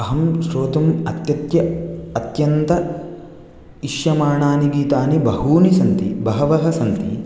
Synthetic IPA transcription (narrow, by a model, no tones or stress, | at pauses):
ɐɦɐmʃɾoːt̪ɐmɐt̪jɐt̪jɐɐt̪jɐnt̪ɐ | iʃjɐmaːɳaːniɡiːt̪aːnibɐɦuːnisɐnt̪ḭbɐɦɐʋɐɦɐsɐnt̪ḭ